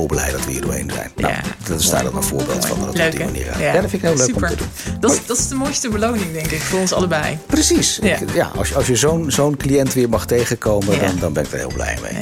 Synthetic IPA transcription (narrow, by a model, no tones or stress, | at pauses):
lˠbəlɛ̰jdɑtʋəḭːɹdo̰ːɹḛjnzɛ̰jno̰tɪsda̰ːdəlkənv̥ʊ̰ːɹbḛːlˠtfɑ̰ndtːdima̰nḭːɾa̰jaːdɔtfɪnɪkɦɪːløːkɔmtədunddɑtɪzdəmojstəbəlownɪŋdɛŋkɪkfʊːɹɔnsɑ̰ləbɛjprəsisɪkja̰ʔɑ̰sɑlˠsjəzownzownklijɛntʋɪːɹmɑχtejχəkowmədɑndɑnbɛnɪkdəɹɦɪ̰ːlˠblɛ̰jmḛj